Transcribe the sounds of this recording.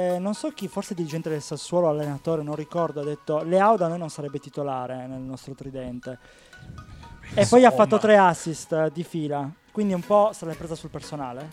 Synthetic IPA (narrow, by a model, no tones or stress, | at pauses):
nonsɔk̟ifːorsed̪iɾid͡ʒɛnt̪ed̪elsasːwɔːloalːenat̪oːɾenõnrikɔrd̪oad̪ːet̪ːoleawd̪anojnonsaɾɛbːet̪it̪olaːɾenelnɔst̪ɾot̪ɾid̪ɛnt̪e | epːɔjafːat̪ːot̪ɾeasːist̪d̪ifiːlakwind̪iumpɔsalːapːɾeːzasulpersona̰ːle